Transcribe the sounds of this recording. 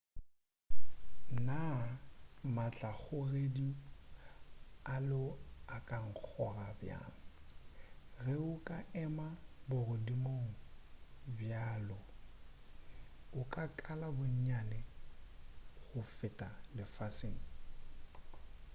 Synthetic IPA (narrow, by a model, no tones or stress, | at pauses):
na | mat͡ɬʼaɣʊredi | alʊakʼaŋ̩k͡xʰɔrabja̰ːŋ̩ | reʊkʼaʔɛmabʊrʊdimoŋ̩ | bjaːlɔ | ʊkʼakʼalabʊɲ̩ɲanɛ | ɣʊfɪtʼalɪfaseːŋ̩